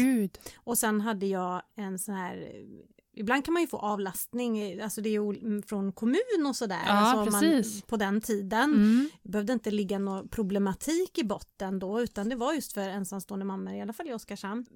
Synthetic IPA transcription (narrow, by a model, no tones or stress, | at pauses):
ʉd̪ɔsɛnːɦad̪ːəjɑːɛnsɔnhæːɾ | ɪbland̪̚kʰanmanjɵfo̰ːʔɑːvlast̪nɪŋalsɔd̪ɛjɵuːfɾɔnkʰɔmʉ̟ːnɔsɔd̪æ̰ːɾsɔmaiːspʰɔd̪ɛnt̪ʰiːd̪ənbɛhœvd̪əɪnt̪əlɪɡːanɔpʰɾʊblɛmat̪ʰiːkɪbɔt̪ːənd̪ɔʉ̟ːt̪and̪ɛvaɾjɵst̪fœɾɛnsamst̪oːənd̪əmamːəɾɪalːafaljɔskaʂam